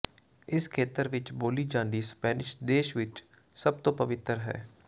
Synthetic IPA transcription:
ɪskʰeːt̪əɾʋɪt͡ʃboːliːd͡ʒãːnd̪iːspɛːnɪʃd̪eːʃʋɪt͡ʃ | səb̚t̪õːpəʋɪt̪ːəɾɦɛ̰ː

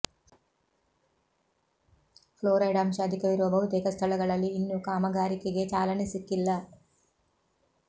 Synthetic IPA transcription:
pʰloːɾɐjɖaːmʃɐːd̪ʱikɐʋiɾuʋɐbʱɐɦut̪eːkɐst̪ʰɐɭɐɡɐɭɐlːiːnːukaːmɐɡaːɾikeɡe̞t͡ʃaːlɐnisikːilːɐ

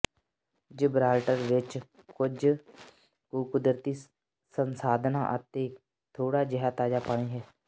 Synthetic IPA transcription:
d͡ʒɪbɾaːlʈəɾʋɪt͡ʃ | kʊd͡ʒ | koːkʊd̪ɾt̪iː | sənsaːd̪ʱna̰ːʔə̰t̪eː | t̪ʰoːɽaːd͡ʒəɦət̪aːd͡ʒaːpaɳ̃eːɦɛː

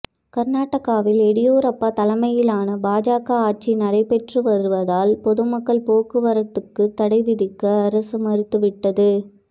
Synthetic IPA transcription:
kɐɾnaːʈːɐɣaːʋɪlɛɽɪjoːɾɐpːaːt̪ɐlɐmɐjɪlaːnɐbaːd͡ʒaːkɐaːʈ̚t͡ʃinɐɽɐɪpɛʈrɯʋɐɾɯʋɐðaːlpɔðɯmɐkːɐɭpoːkɯʋɐɾɐt̪ːɯkːɯt̪ːɐɽɐɪʋɪðɪkːɐːɾɐsɯmɐɾɯt̪ːɯʋɪʈːɐðɯ

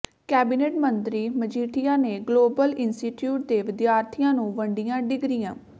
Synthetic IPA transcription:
kɛːbiːneːʈmənt̪ɾiːməd͡ʒiːʈʰijaːneːɡloːbəlɪnsʈiːʈjuːʈ̚d̪eːʋɪd̪jaːɾt̪ʰijãːnũːʋəɳɖijãːɖɪɡɾijãː

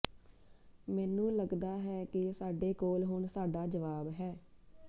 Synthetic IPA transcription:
mɛːnũːləɡd̪aːɦɛːkɪsaːɖeːkoːlɦʊɳsaːɖaːd͡ʒəʋaːbɦɛː

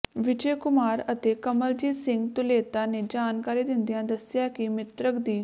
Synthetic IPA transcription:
ʋɪd͡ʒeːkʊmaːɾət̪eːkəməld͡ʒiːsɪ̃ŋɡt̪ʊleːt̪aːneːd͡ʒaːnkaːɾiːd̪ɪnd̪ijãːd̪əsjaːkimɪt̪ɾəkd̪iː

